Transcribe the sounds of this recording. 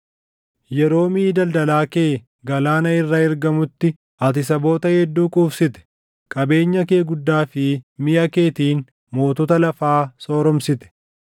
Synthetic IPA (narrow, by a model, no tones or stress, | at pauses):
jɛɾo̞ːmiːd̪ɐld̪ɐlaːke̞ː | ɡɐlaːnɐɪrːɐɪɾɡɐmʊt̪ːɪ | ʔɐt̪ɪsɐbo̞ːt̪ɐhɛd̪ːuːkʼuːfsɪt̪ɛ̥ | kʼɐbe̞ːɲːɐke̞ːɡʊd̪ːaːfɪmɪʔɐke̞ːt̪iːn | mo̞ːt̪ɔt̪ɐlɐfaːso̞ːɾɔmsɪt̪ɛ̥